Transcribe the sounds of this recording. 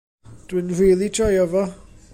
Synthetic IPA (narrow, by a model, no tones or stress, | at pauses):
d̥wɪnriːlˠidʰɔjɔvɔ